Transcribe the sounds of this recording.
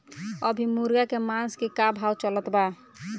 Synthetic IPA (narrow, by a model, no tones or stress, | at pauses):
əbʱimuɾɡakemanskekabʱawt͡ʃələt̪ba